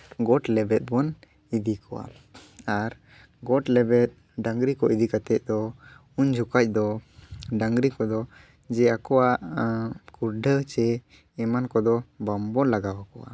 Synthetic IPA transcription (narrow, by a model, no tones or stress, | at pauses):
ɡɔʈlɛbɛt̪̚ˀbɔn | id̪ikʰɔwa̰ | aɾ | ɡɔʈlɛbɛt̪̚ | ɖãŋɡɾikɔʔid̪ikat̪ɛʔ̪̚ˀd̪ɔ | uɲd͡ʒʱukac̚ˀd̪ɔɖaŋɡɾikɔd̪ɔ | d͡ʒɛakɔwaʔkuɾɖət͡ʃɛː | mankɔd̪ɔbambɔlaɡawakɔwa̰